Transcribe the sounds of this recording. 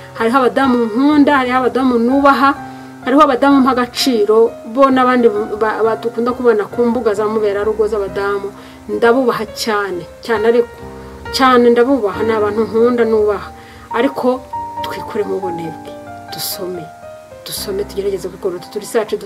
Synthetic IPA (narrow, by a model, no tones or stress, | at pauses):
haɾiɦaβadaːmuŋhuːndahaɾihaβadaːmunuːβaɦa | haɾihoaβadaːmumhaɡat͡ʃiːɾo̞βo̞ːnaβaːndiaβtukuːndakuβonakuːmbuɡazamuβe̞ːɾaɾuɡwozaβadaːmu | ndaβuːβaɦacaːne̞caːnehaɾi | caːne̞ndaβuːβaɦanaβaːnhuŋuːndanuːβahḁː | ɾikʰo̞tkwiːkuɾemuβoneβɡid̥uso̞me̞ | tuso̞me̞tuɟeɾaɟezekwikoɾote̥tuɾisaːt͡ʃed